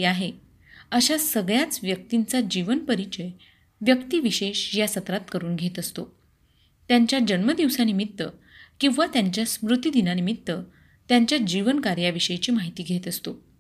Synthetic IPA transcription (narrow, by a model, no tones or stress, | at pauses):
aɦe | əɕasəɡɭjat͡sʋjək̚t̪int͡sad͡ʑiʋənpəɾit͡ɕəj | ʋjəkt̪iːʋiɕeɕjasət̪ɾat̪kəɾuːnɡʱet̪əst̪o | t̪jaɲt͡ɕjad͡ʑənməd̪iʋsanimit̪ːə | kĩw̃ʋat̪jaɲt͡ɕjasmɾut̪jid̪inanimit̪ːə | t̪jaɲt͡ɕjad͡ʑiʋənkaɾjaʋiɕəjet͡ɕiːmaɦit̪iːɡʱet̪əst̪o